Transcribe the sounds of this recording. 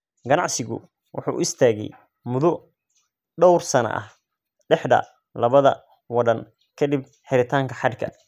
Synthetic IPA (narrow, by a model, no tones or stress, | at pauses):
ɡɐnɑʕsɪɣʊ̰ | wʊ̰ħṵːʔʊ̰ɪst̪ʰaːɣɛ̰j | mʊðʊ | ɖɔwrsɐnɐ̰ʔɐ̰h | ɖɛħðɐ̰ | lɐβɐðɐ̰ | wɐðɐn | kʰɐd̪ib̚ | ħɪɾɪt̪ʰaːŋkʰɐħɑd̪kʰɐ̰